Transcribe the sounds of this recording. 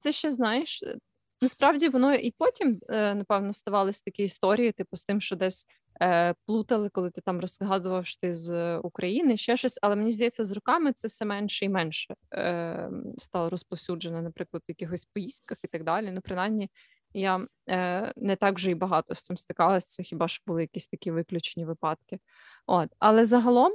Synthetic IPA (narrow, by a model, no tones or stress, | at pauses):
t̪sɛʃt͡ʃɛznɑjɪʃ | nɐspɾɑwdʲiʋɔnɔʔipɔtʲimnɐpɛwnɔst̪ɐʋɑlˠɪsʲt̪ɐkʲɪist̪ɔɾʲijit̪ɪpʊst̪ɪmʃt͡ʃɔd̪ɛsʲ | plˠut̪ɐlˠɪkɔlˠɪt̪ɪt̪ɑmrɔzɦɑd̪ʊʋɐwʃt̪ɪzukɾʔɐjinɪʃt͡ʃɛʃɔsʲɐlˠɛmenʲizd̪ɐjɛt͡sʲːɐzrʊkɑmɪt̪sɛwsɛmɛnʃɛimɛnʃɛ | st̪ɑlˠɔɾɔspɔwsʲud͡ʒenɐnɐpɾɪklˠɐd̪ʊjɐkʲɪxɔsʲpɔjist̪̚kɐxit̪ɐɡ̚d̪ɑlʲinupɾɪnɑjmnʲi | ja | nɛt̪ɑɡʒɛibɐɦɑt̪ɔst̪sɪmst̪ɪkɑlˠɐsʲt̪sɛxʲibɑʃbʊlˠɪjɐkʲisʲt̪ɐkʲiʋɪklʲʊt͡ʃenʲiʋɪpɑt̪kɪ | ot̪ɐlˠɛzɐɦɐlˠɔm